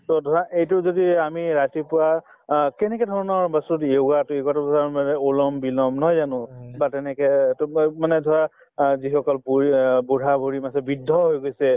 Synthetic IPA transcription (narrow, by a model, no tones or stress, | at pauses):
tɔdʱɔɹaʔejtʊzodiamiɹatipʊɹa | kɛnɛkɛdʱɔɹɔnɔɹbastutoɡatʊjeɡatʊsamanɛulɔmbilɔmnɔjzanʊ̃batɛnɛkɛtmanɛdʱɔɹa | zixɔkɔlpuibuɾʱabuɹimasɛbidʱːɔɦojɡojsɛ